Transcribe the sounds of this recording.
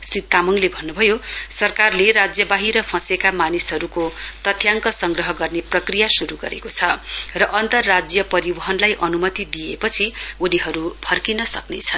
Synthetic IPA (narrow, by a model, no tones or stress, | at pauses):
srit̪ːamʌŋlebʱʌnːubʱʌjosʌrkarleɾad͡zjʌbaɦiɾʌpʰʌ̃sekamanisɦʌɾukot̪ʌt̪ʰjaŋkʌsʌŋɡrʌɦʌɡʌrneprʌkrijasuɾuɡʌ̰ɾḛkot͡sʰʌrʌʔʌnt̪ʌrːad͡zjʌpʌɾibʌɦʌnlajʔʌnumʌt̪id̪ijepʌt͡sʰiuniɦʌɾupʰʌrkinʌsʌ̰knḛt͡sʰʌn